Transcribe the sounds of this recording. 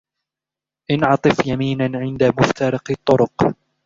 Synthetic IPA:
ʔɪnʕɑt̪ˤɨfjamiːnanʕɪnd̪amʊft̪ʰɑɾˤɑqɨt̪ˤːʊɾʊq

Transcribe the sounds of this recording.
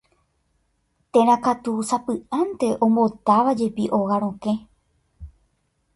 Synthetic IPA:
t̪ẽɾ̃ãkat̪usapɨãnt̪e̞ʔõ̞mbo̞t̪aʋad͡ʒe̞piʔo̞ɣaɾ̃õkẽ̞

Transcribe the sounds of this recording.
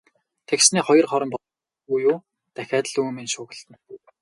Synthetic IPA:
t̪ʰeksniːχɔjɞ̆rχɔɾɞ̆mp | ujuː | t̪æxʲæːt̪̆ɮumenʃʊːɣə̆ɬt̪ə̆n

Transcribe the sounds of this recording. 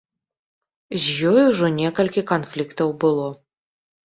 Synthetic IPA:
zʲjɔjuʐɔnʲɛkɐlʲkʲikɐnflʲikt̪ɐwbɨlˠɔ

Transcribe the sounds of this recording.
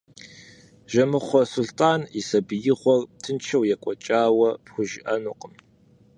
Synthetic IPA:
ʒɐmɨχʷɔsʊɬtʰʼaːnisɐbɨjɪʁʷɔrtʰɨnt͡ʃʰɐwjɛkʷʼɔt͡ʃʼaːwɐpxʷʊʒɪʔɐnuːqʼəm

